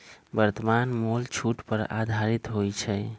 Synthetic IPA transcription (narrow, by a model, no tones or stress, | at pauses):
bəɾt̪əmanmolt͡ʃʰuʈpəɾa̰d̪ʱaɾit̪ɦojt͡ʃʰɛ